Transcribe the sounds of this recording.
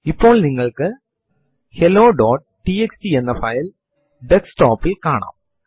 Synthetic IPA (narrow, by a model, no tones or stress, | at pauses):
ipːo̞ːɭniŋːɐɭkɨ | heloːɖoːʈ̚ | ʈieksʈienːɐfɐjl | ɖeksʈoːpːilkaːɳa̰ːm